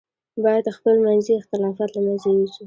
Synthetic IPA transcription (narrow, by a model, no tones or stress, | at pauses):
bɑjad̪əxpəlmanziɪxt̪ɪlɑfɑt̪lamanzewiʃi